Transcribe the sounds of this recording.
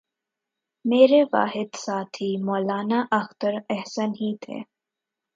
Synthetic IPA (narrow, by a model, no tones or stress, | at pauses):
meːɾeʋa̰ːɦɪd̪saːt̪ʰimɔːlaːnaʔɐxt̪əɾɛɦsənɦit̪ʰḛː